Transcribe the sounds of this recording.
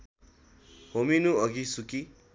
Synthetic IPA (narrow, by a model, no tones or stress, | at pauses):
hominuʌɡisuki